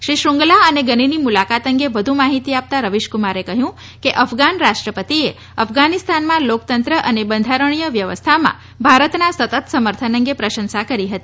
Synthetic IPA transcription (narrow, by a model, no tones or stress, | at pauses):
ʃɾiʃɾuŋɡlaəneɡəninimulakat̪əŋɡeʋəd̪ʱũmaɦit̪iap̚t̪aɾəʋiʃkumaɾekəɦjũ | keʔəfɡanɾaʃʈɾəpət̪ie | əfɡanist̪anmãlok̚t̪ənt̪ɾəʔənebənd̪ʱaɾəɳ̃ijəʋjəʋə̰st̪ʰamã̰ | bʱaɾət̪nasət̪ət̪səməɾt̪ʰənəŋɡepɾəʃənsakəɾiɦət̪i